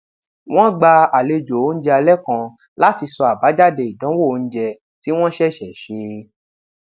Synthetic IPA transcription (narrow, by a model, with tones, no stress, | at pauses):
w̃ɔ̃˦ɡ͡ba˧a˨le˧d͡ʒo˨o˨˦n̩˦d͡ʒɛ˧a˧lɛ˦kã˧ | la˦ti˧sɔ˧a˨ba˨˦d͡ʒa˦de˧˨i˨dã˨˦wo˦˨˧n̩˦d͡ʒɛ˧ | ti˦w̃ɔ̃˦ʃɛ˦ʃɛ˨ʃe˧